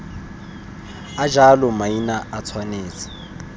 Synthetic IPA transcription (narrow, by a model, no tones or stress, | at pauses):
ad͡ʒalɔmainaat͡sʰwaneːt͡sḁ